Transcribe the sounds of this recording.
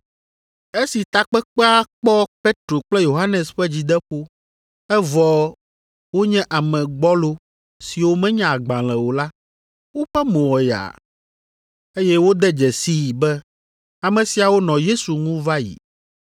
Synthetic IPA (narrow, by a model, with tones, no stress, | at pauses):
e˦si˨t̪a˨k͡pɛ˦k͡pɛ˦a˦k͡pɔ˦pe˦t̪ɾo˨k͡plɛ˦jo˨ɦa˦nɛ̃˨sɸɛ˦d͡ʑi˨d̪ɛ˦ɸo˦ | ɛ˦vɔ˨ | wo˦ɲɛ̃˦ʔa˨mɛ̃˨ɡ͡bɔ˦lo˦ | si˨wo˦mɛ̃˦ɲã˨a˨ɡ͡bã˨l̃ɛ̃˨wo˨la˦ | wo˦ɸɛ˦mõ˨wɔ˨ja̰˨ | e˦jɛ˦wo˦d̪ɛ˦d͡ʒɛ˨si˦˨bɛ˦ | a˨mɛ̃˨si˨a˨wo˦nɔ̃˨je˦su˨ŋũ˦va˦jḭ˨